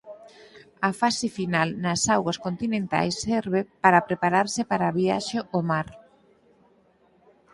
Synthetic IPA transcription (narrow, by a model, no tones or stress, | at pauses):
ɐfasɪfinalnɐsawɣɐskont̪inẽnt̪a̰jsːɛɾβ̞epaɾɐpɾepaɾaɾsɪpaɾaβia̰ʃɪʔomaɾ